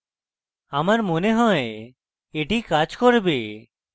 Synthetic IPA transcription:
amaɾmoneɦɔ̃e | eʈikad͡ʒkɔɾbe

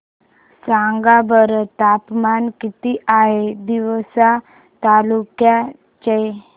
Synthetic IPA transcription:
saŋɡabəɾt̪apmankit̪iʔaɦed̪iʋsa | t̪alukja | t͡ɕe

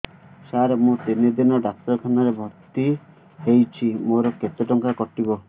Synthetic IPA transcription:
saɾemũt̪ined̪inɔɖak̚t̪ɔɾkʰanaɾebʱɔɾt̪i | hejt͡ʃʰimoɾɔket̪eʈɔŋkakɔʈibɔ

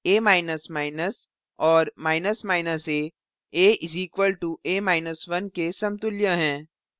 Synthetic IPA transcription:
eːmaːɪnəsmaːɪnəs | ɔːɾmaːɪnəsmaːɪnəseː | eːʔɪziːkʋəlʈueːmaːɪnəsʋɐnkesɐ̃mt̪ʊljaɦɛ̃ː

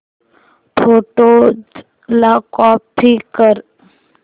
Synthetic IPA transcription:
t̪ʰoːʈo | lakɔːp̚t̪ʰikəɾ

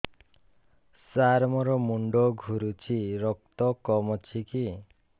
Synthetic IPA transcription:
saɾmɔɾɔmuɳɖɔɡʱuɾut͡ʃʰiɾɔk̚t̪ɔkɔmɔt͡ʃʰiki

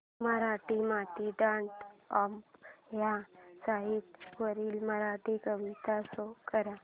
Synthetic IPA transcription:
məɾaːʈimaːt̪iɖaːɳʈamjãsaɦit̪ʋəɾilməɾaːʈikəʋit̪asokəɾa

